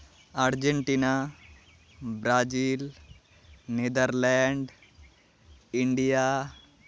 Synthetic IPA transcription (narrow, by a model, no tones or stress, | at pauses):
aɾd͡ʒeɳʈiːna | bɾaːd͡ʒiːl | nid̪əɾlɛɳɖ | iɳɖijaː